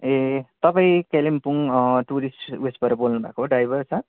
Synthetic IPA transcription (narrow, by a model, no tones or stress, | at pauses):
et̪ʌpaĩkelimpuŋʈuɾisʈesbʌɾʌbolnubʱa̰koɦɖajbʌrt͡sʰʌ